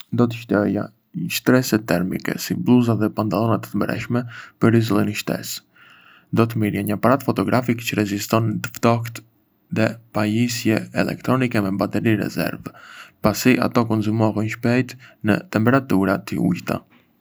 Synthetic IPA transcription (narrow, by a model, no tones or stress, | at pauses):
nd̪ɔt̪əʃt̪ɛja̰ | iʃt̪ɾɛsɛt̪ɛɾmḭkɛ̰siblˠuzaðɛpant̪alˠɔnat̪ə̥t̪əmbɾɛ̰ʃmɛpəɾizilˠiniʃt̪ɛ̰s | d̪ɔt̪̬əmiɾjaɲəapaɾat̪fɔt̪ɔɡɾafikt͡ɕəɾɛzist̪ɔnd̪əft̪ɔkt̪ | ðɛpajisjɛɛlɛ̰kt̪ɾɔnikɛmɛbat̪ɛɾiɾɛ̰zɛ̰ɾvpasiʔa̰t̪ɔkɔnzumɔɣɛnʃpɛjt̪nə̰t̪ɛmpɛɾat̪uɾat̪ḭṵjt̪a̰